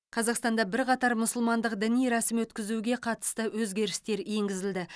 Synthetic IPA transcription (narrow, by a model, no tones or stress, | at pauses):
qʰɑzɑqst̪ɑnd̪ɑbɪɾqʰɑt̪ɑɾmʊsʊlˠmɑnd̪əqd̪ɪnijɾɑsɪmwɵt̪kʲɪzuɡʲe̞qʰɑt̪ə̥st̪əwɵzɡʲe̞ɾɪst̪e̞ɾe̞ŋɡʲɪzɪld̪ɪ